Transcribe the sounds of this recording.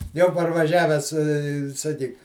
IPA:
ˈjɛʊ pɐrʋɐˈʒʲæːʋʲæːs ɪ sɐˈkʲiːk

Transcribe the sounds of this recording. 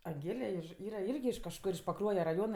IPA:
ɐŋʲˈɡʲeːlʲɛ ɪʃ ˈiːrɐ ˈɪrʲɡʲɪ ɪʃ kɐʃˈkʊr ɪʃ pɐˈkruɔjɛ rɐˈjoːnɐ

